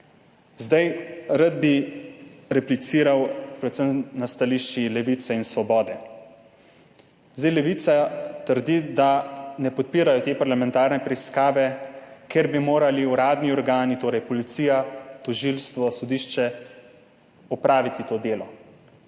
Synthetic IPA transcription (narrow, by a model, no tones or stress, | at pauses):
zd̪ajɾad̪̚bi | ɾɛplit̪siːɾawpɾɛt̪səmnast̪aliʃt͡ʃilɛʋit̪sɛinsʋɔbɔːd̪ɛ | zd̪ajlɛʋiːt̪sat̪əɾd̪id̪anɛpɔt̪̚piːɾajɔt̪eːpaɾlamɛ̃nt̪aːɾnɛpɾɛiskaːʋɛkeɾbimoːɾaliuɾaːd̪niɔɾɡaːnit̪oːɾɛjpɔlit̪siːjat̪ɔʒilst̪ʋɔsɔd̪iːʃt͡ʃɛ | ɔpɾaːʋit̪it̪oːd̪eːlɔ